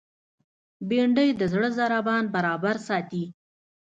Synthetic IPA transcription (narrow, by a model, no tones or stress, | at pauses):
beɳɖəjd̪əzɽəzaɾabɑnbaɾɑbaɾsɑt̪i